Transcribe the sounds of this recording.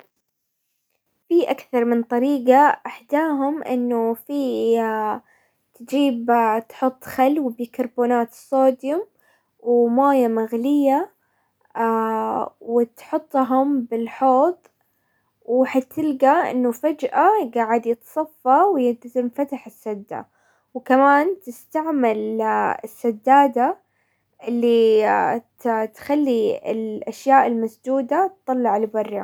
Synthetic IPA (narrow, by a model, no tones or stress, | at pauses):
fiːʔakθɑɾˤmɪnt̪ˤɑɾiːɡaʔɪħd̪aːɦʊmʔɪ̰nːufiː | t̪ɪd͡ʒiːbt̪ħʊt̪ˤːxalwbikɑɾˤboːnaːt̪sːoːd̪jʊm | wɪmaːjamaɣlɪjːa | wɪt̪ħʊt̪ˤːɦʊmbɪlħoːt̪ˤ | wħat̪ːɪlɡaʔɪ̰nːʊfad͡ʒʔaɡaːʕɪd̪jɪt̪sˤɑfːɑwjɪd̪ɪnfat̪aħɪsːad̪ːa̰ | wkamaːnt̪ɪst̪aʕmalɪsːad̪ːaːd̪a | ʔɪlːi | tt̪xalːiɪ̰lʔaʃjaːʔɪlmasd̪uːd̪at̪ˤːɑlːɑʕlbɑrˤːɑ